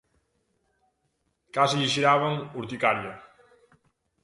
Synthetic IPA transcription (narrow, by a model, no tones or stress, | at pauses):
kaziʎiʃiɾaβaŋuɾt̪ikaɾja